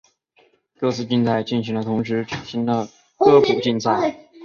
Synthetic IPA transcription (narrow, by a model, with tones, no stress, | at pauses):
kɤ˥˧t͡sʰɹ̩˥˧t͡ɕi˥˧nt͡sa˥˧ɪt͡ɕi˥˩nɕi˧˥ŋlə˧t̪ʰʊ˧˥ŋʂ̬ɻ̩˧˥ʈ͡ʂʰə˨˩ɕi˥nd̪ə˨ | kɤ˥u˨˩t͡ɕi˥˧nt͡sʰa˥˩